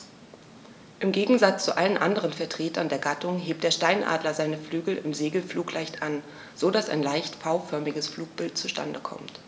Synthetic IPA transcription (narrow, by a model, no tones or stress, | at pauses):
ʔɪmɡeːɡŋ̩zat͡st͡suʔalənʔandəʁ̞ənfɛɐtʁ̥eːtʰɐndeːɐɡatʊŋɦeːp̚td̥eːɐʃtaɪnʔa̰ːdlɐzaɪnəflyːɡl̩ɪmzeːɡl̩fluːklʔaɪçtʔan | z̥odasa̰ɪnlaɪçtfaʊfœɐmɪɡəsfluːk̚b̥ɪltt͡suʃta̰ndəkʰɔ̰mt